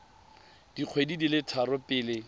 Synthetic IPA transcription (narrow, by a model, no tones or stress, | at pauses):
d̥iq͡χʰwedidilɪtʰaɾʊpɪːlɪ